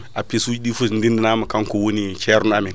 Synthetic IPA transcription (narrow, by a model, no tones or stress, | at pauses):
apisud͡ʒɗifundindinamakaŋkuwunit͡ʃeɾnamin